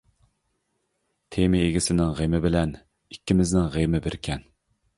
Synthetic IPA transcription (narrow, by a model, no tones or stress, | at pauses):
t̪ʰemɪeɡʲisɪnɪŋʁemɪbɪlɛn | ikʲːɪmɪznɪŋʁemɪbɪɾkʲʰɛn